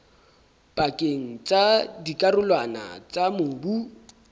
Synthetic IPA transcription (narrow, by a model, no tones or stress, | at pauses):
pʼakʼeŋ̩t͡sʼadikʼarʊlwana̰t͡sʼamʊbu